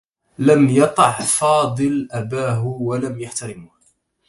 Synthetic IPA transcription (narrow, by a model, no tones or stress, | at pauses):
lamjɑt̪ˤɑʕfɑːd̪ˤɨlʔabaːɦʊwalamjaħt̪aɾɪmʊh